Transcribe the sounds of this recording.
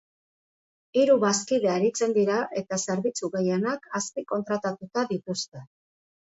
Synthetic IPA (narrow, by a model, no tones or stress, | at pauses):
iɾuβaskiðe̞aɾit͡se̞nd̪iɾaʔe̞t̪ase̞ɾβit͡suɣe̞je̞nakʰaspiko̞nt̪ɾat̪at̪ut̪aðit̪ust̪e̞